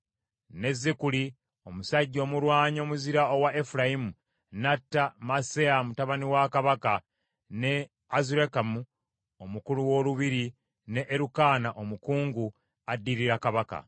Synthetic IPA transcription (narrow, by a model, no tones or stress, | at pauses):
ne̞zːekuli | o̞musaɟːo̞ːmuɾwaːɲo̞ːmuziɾaowaʔefuɾajimu | natːamaseamutaβaniwakaβaka | ne̞ | azuɾekamu | omukuluwo̞luβiɾi | ne̞ʔːɾukaːnaʔo̞mukuːŋɡu | adːiɾiɾakaβaka̰